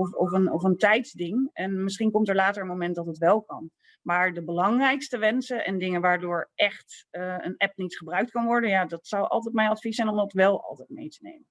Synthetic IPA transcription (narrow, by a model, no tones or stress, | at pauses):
ɔfɔfənɔfəntɛjtzdɪŋɛnmɪsχinkɔmtəɹlaːtəɹənmowmɛntdɑtɦətʋɛlˠkɑ̰n | maːɹdəbəlɑŋrɛjkstəʋɛnsəʔɛ̰ndɪŋənʋaːɹdʊːɹʔɛχtənɛpnitχəbrœɥk̚tkɑnʋɔɹdənjaːdɑtsʌwʔɑ̰lˠtɛjtmɛjnɑtfisɛjnɔmdɑtʋɛlˠɑ̰lˠtɛjt̚mḛjtənḛjmən